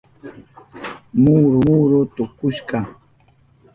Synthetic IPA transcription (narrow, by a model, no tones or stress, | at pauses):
muɾʊuɾʊt̪ʊkʊʃkɑ